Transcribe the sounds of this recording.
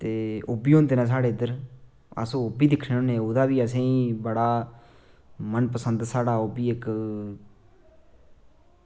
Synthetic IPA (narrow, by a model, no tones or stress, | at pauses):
t̪eːobiːɦõːnd̪eːnãːs̬aːɽeːd̪əɾ | ə̰sõːʊbiːd̪ɪkʰneːõːnẽːod̪aːbiːəsẽːiːbəɽaː | mənpəsənd̪saːɽaːobiːɪk